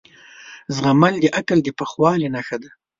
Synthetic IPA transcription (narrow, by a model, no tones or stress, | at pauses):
zɣamald̪əʔakald̪əpəxwɑlenaxad̪a